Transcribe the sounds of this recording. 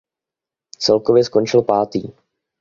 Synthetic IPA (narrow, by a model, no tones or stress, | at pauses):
t͡sɛlkovjɛsko̞nt͡ʃɪlpaːt̪ḭː